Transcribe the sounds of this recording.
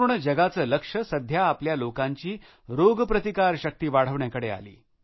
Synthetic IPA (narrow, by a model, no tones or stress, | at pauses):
ɳəd͡ʑəɡat͡səːləkʂəsəd̪ʱjaːpljalokãɲt͡ɕiː | ɾoɡpɾət̪ikaɾɕək̚t̪iːʋaɽ̤əʋɳjakəɽea̰lḭː